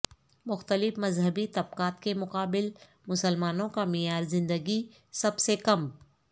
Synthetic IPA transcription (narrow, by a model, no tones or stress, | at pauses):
mʊxt̪əlɪfmɐzɦəbit̪ɐb̚qaːt̪kemʊqaːbɪl | mʊsəlmaːnõkamɪjaːɾzɪ̃nd̪əɡi | sɐbsekɐm